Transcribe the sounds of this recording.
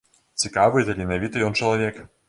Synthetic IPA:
t͡sʲɪkavɨjt̪ɐlʲɪnɐvʲit̪ɨjɔnt͡ʃəlˠɐvʲɛk

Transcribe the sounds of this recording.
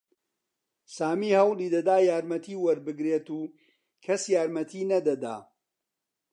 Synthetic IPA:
saːmiːhɐwlˠiːd̪ɐd̪aːjaːɾmɐt̪ʰiːwɐɾbɨɡɾeːt̪uː | kʰɐsjaːɾmɐt̪ʰiːnɐd̪ɐd̪a̰ː

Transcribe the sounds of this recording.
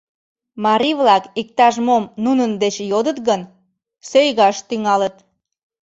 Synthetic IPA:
mɑɾiβlɑkik̚t̪ɑʒmomnunənd̪et͡ɕjod̪ət̪ɣən | søjɣɑʃt̪yŋɑlət̪

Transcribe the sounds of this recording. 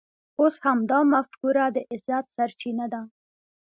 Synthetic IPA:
oshamd̪ɑmafkuɾad̪əʔɪzat̪saɾt͡ʃinad̪a

